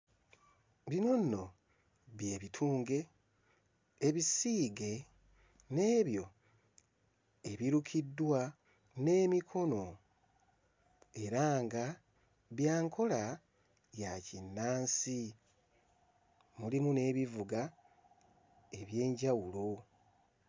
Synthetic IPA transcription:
βino̞nːo̞ | βje̞ːβitʰuːŋɡe̞ | βisiːɡe̞ | ne̞ːβjo̞ | e̞βiɾukʰidwa | ne̞ːmikʰo̞no̞ | e̞ɾaːŋɡa | βjaːŋkʰo̞la | jacinːaːnsi | mulimune̞ːβivuɡa | e̞βje̞ːɲɟawulo̞

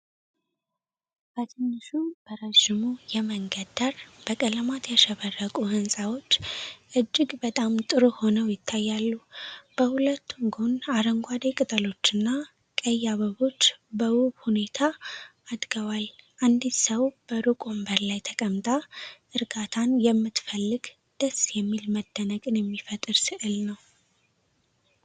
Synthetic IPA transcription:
b̥ət̪ʰɨnːɨʃub̥əɾəʒɪmujɛməŋɡəd̪əɾb̥əkʼələmat̪ʰjaʃɛβərːəkʼuhɨnsʼawo̞t͡ʃːʔɨd͡ʒːɪɡbət̪ʼamt̪ʼɨɾoho̞nəwjɪt̪ʰːajːalːub̥əhulət̪ːuŋɡonaɾəŋɡʷad̪ekʼɨt̪ʼəlo̞t͡ʃːɨnːa | kʼəjːaβəβo̞t͡ʃːbəwuβhune̞t̪ʰaʔːd̪ɡəwalʔand̪isəwb̥əɾukʼo̞mbəɾlajt̪ʰəkʼəmt̪ʼaʔɨɾɡat̪ʰanjɛmːɨt̪fəlːɨɡ | d̪̥əsjɛmːilməd̪ːənəkʼɨnjɛmːifət̪ʼɨɾsɨʔɨlnəw

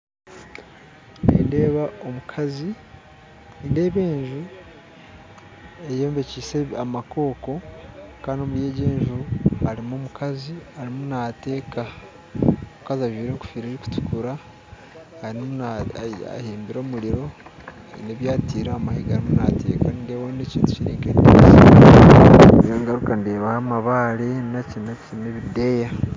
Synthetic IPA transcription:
nḛnde̞ːβaomukʰazi | inde̞ːβe̞ːɲʒu | ejeːmbe̞ciseamako̞ːko̞kaːndiomuɾje̞ːɟe̞ːɲʒuhaɾimoːmukaziaɾimunate̞ːka | omukaziaʒwiːɾeŋku̥fiɾiɾiku̥tu̥kuɾa | haɾimunaa̰heːmbiɾo̞ːmuɾiɾo̞ | neβjaːtiːɾaːmahiɡaaɾimunatḛkanndewoːneciːntu̥ciɾeːŋɡeːdo̰si | joŋɡaɾukandeːβahamaβaːɾenacinacineβideja

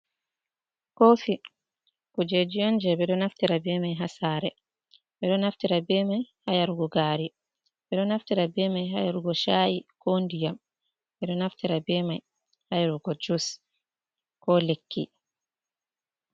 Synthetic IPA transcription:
kofi | kɔd͡ʒed͡ʒijɔnd͡ʒɛbɛɗɔnaftiɾabɛmajɦasaːɾɛ | bɛɗɔnaftiɾabɛmajhajaɾuɡɔɡaːɾi | bɛɗɔnaftiɾabɛmajɦa̰jaɾuɡɔʃajikʰondijam | bɛɗɔnaftiɾabɛmaj | hajaɾuɡɔd͡ʒus | kɔlekʰːḭ

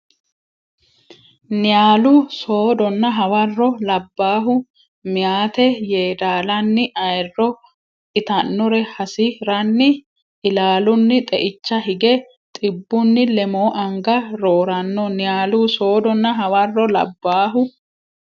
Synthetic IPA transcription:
nɪjaːlʊso̞ːd̪ɔnːɐɦɐwɐrːɔlɐbːaːɦʊ | mɪjaːt̪ɛjeːd̪aːlɐnːɪʔɐjrːɔ | ɪt̪ɐnːɔɾɛhɐsɪɾɐnːɪ | ʔɪlaːlʊnːɪt̪ʼɛʔɪt͡ʃːɐɦɪɡɛ | t̪ʼɪbːʊnːɪlɛmoːʔɐŋɡɐɾo̞ːɾɐnːɔnɪjaːluso̞ːd̪ɔnːɐɦɐwɐrːɔlɐ̰bːaːɦʊ

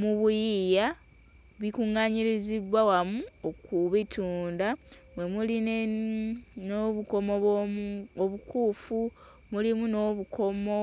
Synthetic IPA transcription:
muβujija | βikuŋaɲiɾizidwawamuokuβitʰuːndaβwe̞muline | noβuko̞mo | oβukuːfu | mulimunoβukomo

